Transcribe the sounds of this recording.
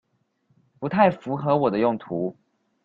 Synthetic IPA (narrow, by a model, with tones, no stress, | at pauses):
pu˧˥t̪ʰa˥˩ɪfu˧˥xɤ˧˥wɔ˨˩d̪ə˦jʊ˥˩ŋt̪ʰu˧˥˦